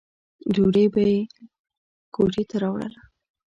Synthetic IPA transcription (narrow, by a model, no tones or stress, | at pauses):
duɽebaje | koʈet̪aɾɑwɽə̰la